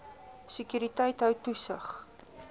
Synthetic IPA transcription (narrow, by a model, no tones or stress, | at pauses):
səkjyːɾitəjtɦəwtusəχ